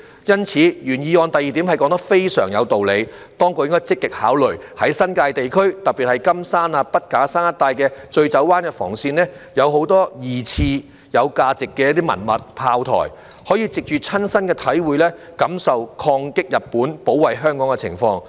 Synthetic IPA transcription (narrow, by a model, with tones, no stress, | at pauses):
jɐ˥nt͡sʰiː˨˥jyː˨˩njiː˨˧ɔː˧nt̪ɐ˨jiː˨t̪i˨˥mhɐ˨jkɔː˨˥ŋt̪ɐ˥k̚fe˥jsœː˨˩ŋjɐ˨˧wt̪o˨wle˨˧j | t̪ɔː˥ŋkoː˧jɪ˥ŋkɔ˥t͡sɪ˥kːɪ˨k̚ha̰ː˨˥wlɵ˨ɥhɐ˨˥jsɐ˥nkaː˧jt̪e˨jkʰɵ˥ɥt̪ɐ˨pi˨hɐ˨jkɐ˥msaː˥naː˧pɐ˥t̚kaː˨˥saː˥nɐ˥t̪ːaː˧jkɛː˧t͡ʃɵ˧ɥt͡sɐ˨˥wwaː˥nkɛː˧fɔ̰ː˨˩ŋsiː˧nlɛː˥jɐ˨˧who˨˥wt̪ɔː˥jiː˨˩t͡sʰiː˧ | jɐ˨˧wkaː˧t͡sɪ˨kːɛː˧jɐ˥t̪iː˥mɐ̰˨˩nmɐ̰˨t̚pʰaː˧wt̪ʰɔ̰ː˨˩j | hɔː˨˥jiː˧t͡sɪ˨k̚t͡ʃyː˨t͡sʰɐ˥nsɐ˥nkɛː˧t̪ʰɐ˨˥jwuː˨jlɛː˥ | kɐ˨˥msɐ˨wkʰɔː˧ŋkɪ˥k̚jɐ˨t̚pːuː˨˥npo˨˥wɐ˨˩jɦœː˥ŋkɔː˨˥ŋkɛ˧t͡sʰɪ̰˨˩ŋfɔː˧ŋ